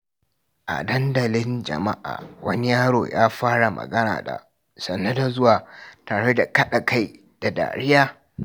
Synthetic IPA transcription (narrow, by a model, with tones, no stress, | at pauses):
ʔa̰˨dɐ˦ndɐ˨lɪ˦nd͡ʒɐ̰˨ma˦ʔa̰ː˨wʔɐ˦ni˦jaː˦ɽoː˨jaː˦ɸaː˦ɽa˨mɐ̰˨ɡɐ˦na̰ː˨da̰˨ | sɐ˨nːa˦da˨zʊ˦waː˨taː˨ɽe˦da˨kɐ˦ɗa˨ka˦j | d̥a˨da̰ː˨ɽɪ˦jaː˦